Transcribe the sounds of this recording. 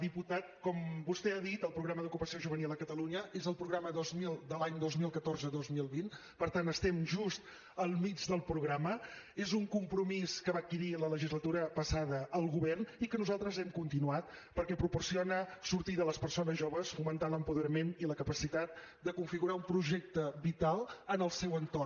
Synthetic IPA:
d̪iput̪at̪̚kɔmbust̪ɛaðit̪əlˠpɾuɣɾaməðukupəsioʒuβənilˠəkət̪əluɲəezəlˠpɾuɣɾaməðozmilˠd̪əlaɲd̪ozmilˠkət̪orzəðozmilˠβin | pəɾt̪anəst̪ɛmʒust̪ | əlˠmid͡ʒðəlˠpɾuɣɾamə | ezuŋkumpɾumiskəβakiɾilələʒizlət̪uɾəpəsaðəːlˠɣuβɛrnikənuzalˠt̪ɾəzɛmkunt̪inuat̪̚pəɾkɛpɾupursionəsuɾt̪iðələspərsonəzʒoβəsfumənt̪aləmpuðəɾəmeniləkəpəsit̪at̪̚ | d̪əkuɱfiɣuɾaumpɾuʒɛk̚t̪əβit̪alˠənəlˠsɛwənt̪or

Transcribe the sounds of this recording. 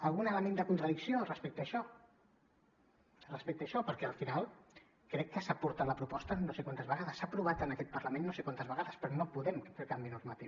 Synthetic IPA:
əlˠɣunələmẽnd̪əkunt̪ɾəðiksiorəspɛk̚t̪əːʃɔ | rəspɛk̚t̪əːʃɔpəɾkɛəlˠfinalˠ | kɾɛkːəsapuɾt̪at̪ləpɾupɔst̪ənosekwant̪əzβəɣaðəsːapɾuβat̪ənəkɛt̪̚pərləmẽnːosekwant̪əzβəɣaðəspɾɔnopuðɛmfekambinuɾmət̪iw

